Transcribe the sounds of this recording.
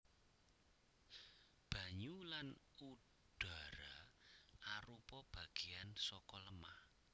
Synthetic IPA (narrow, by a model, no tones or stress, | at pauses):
b̥ä̤ɲulan | u | ɖ̥a̤ɾa | aɾupɔb̥ä̤ɡ̥iansɔkɔləmah